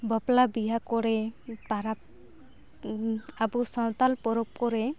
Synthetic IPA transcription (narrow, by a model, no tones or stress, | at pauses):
bɔplabiɦakɔɾɛpaɾap | abusɔnt̪alpɔɾɔp̚kɔɾɛ